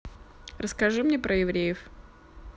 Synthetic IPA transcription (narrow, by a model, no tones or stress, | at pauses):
rəskɐʐɨmnʲepɾʔəjɪvɾʲejɪf